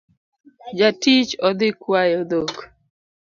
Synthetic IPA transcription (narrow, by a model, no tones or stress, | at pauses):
d͡ʒatit͡ʃɔd̪ɪkwajɔd̪ok